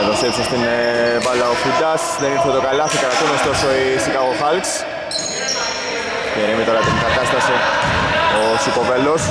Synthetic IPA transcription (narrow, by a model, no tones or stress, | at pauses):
eðost̪epsost̪invɐlːɐofut̪ːɐsðeniɾθet̪okɐlɐθikɾɐt̪unost̪o̞soisikaɣoxalks | ceɾimit̪oɾɐt̪iŋɡɐt̪ɐst̪ɐsi | osikopelːos